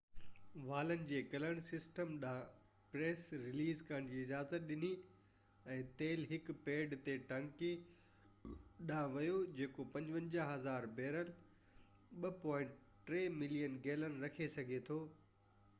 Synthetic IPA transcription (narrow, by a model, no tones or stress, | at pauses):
ʋaːlənɪ̆d͡ʑeːkɐləɽ̃sɪsʈəmɗã | pɾeːsɾɪliːzkɐɾəɽ̃d͡ʑiːɪd͡ʑaːzət̪̚ɗɪni | ɛ̃ːt̪eːlɦɪkpeːɖt̪eʈɐ̃ŋki | ɗãʋɐjod͡ʑeːkopɐ̃ɲd͡ʑʋə̃ɲd͡ʑaɦɐzaːɾbeːɾəl | ɓɐpɔ̃ːɪ̃ɳʈ | ʈɾeːmɪlijənɡeːlənɪɾɐkʰesɐɡʱet̪ʰoː